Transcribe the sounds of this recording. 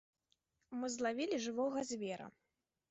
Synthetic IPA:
mɨzlˠavʲilʲiʐɨvɔɣɐzʲvʲɛɾɐ̰

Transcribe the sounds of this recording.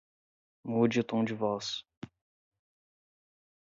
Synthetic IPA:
mud͡ʒɪʊt̪õw̃d͡ʒɪvɔs

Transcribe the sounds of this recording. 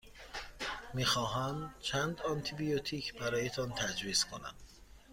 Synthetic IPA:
miːxɒːɦæmt͡ʃʰænd̪ɒnt̪ʰibijot̪ʰiːcʰbæɾɒːjet̪ʰɒnt̪ʰæd͡ʒɾiːskʰonæ̰m

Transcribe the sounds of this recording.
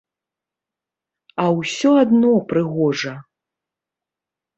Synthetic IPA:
ɐwsʲɔad̪nɔpɾɨɣɔʐɐ

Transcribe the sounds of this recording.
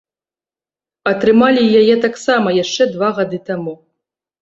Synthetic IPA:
ɐt̪ɾɨmalʲijajɛt̪aksamɐjaʂt͡ʂɛd̪vaɣad̪ɨt̪amu

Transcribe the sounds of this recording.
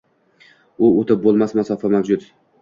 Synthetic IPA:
ʊot̪ɪp̚bolˠmasmasɒfamahd͡ʒʊd̪

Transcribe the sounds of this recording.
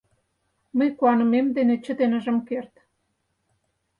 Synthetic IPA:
məjkuɑnə̆memd̪enet͡ɕə̆d̪enə̆ʒə̆mkert̪

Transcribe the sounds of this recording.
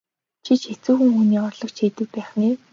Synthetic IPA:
t͡ɕʰit͡ɕet͡suːxɘ̆ŋxuːniːɔrɮɞ̆kt͡ɕʰiːt̪ɘ̆k̚pæːχniː

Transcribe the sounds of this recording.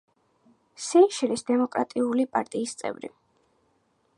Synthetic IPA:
sinʃiɾisd̪ɛmɔkʼɾa̰t̪ʼiulipʼa̰ɾt̪ʼiːst̪sʼɛ̰vɾḭ

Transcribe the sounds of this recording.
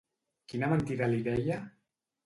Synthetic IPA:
kinamant̪iɾaliðɛja

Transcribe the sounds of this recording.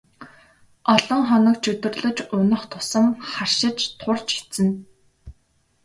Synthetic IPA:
ɔɮɞ̆ŋχɔnɞ̆kt͡ɕɵt̪ɵ̆rɮɵ̆t͡ɕʊnə̆χt̪ʰʊ̥sə̆mχarʃɪ̆t͡ɕt̪ʰʊrt͡ɕi̥t͡sɘ̆n

